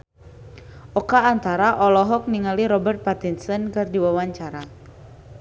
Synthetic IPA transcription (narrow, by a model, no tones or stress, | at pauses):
ʔɔkaːnt̪aɾaʔɔlɔɦɔk̚niŋaliɾɔbərt̪̚pat̪insɔnkɨrdiwawaɲt͡ʃaɾa